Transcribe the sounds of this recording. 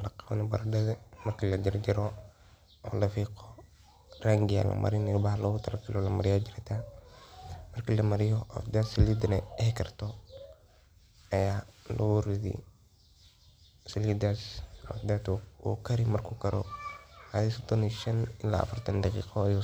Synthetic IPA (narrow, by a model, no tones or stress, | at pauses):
lɐqɑnɛbɐɾɐdɐðɛmɐrkʰilɐd͡ʒɐɾd͡ʒɪɾɔ | ɔlɐfiːqɔ | raŋɡɪja̰lɐ̰mɐ̰ɾɪnɛjʊbahlɐɣʊt̪ʰɐlɐɡɐlɔlɐmɐɾɪjaːd͡ʒɪɾt̪ʰa | mɐrkilɐmɐɾɪjɔɔ̰fd̪asɪlid̪nɛɛhkʰɐrt̪ɔ | ɐjaːlɐ̰wʊɾɪðḭ | sɪlid̪asɔ̰fd̪at̪ɔṵkʰɐɾɪmɐrkʰʊkɐɾɔ̰hɐðisɔd̪ɔniʃɐnɪlːa̰ːfɐrt̪ʰɐndɑqḭːqɔɐju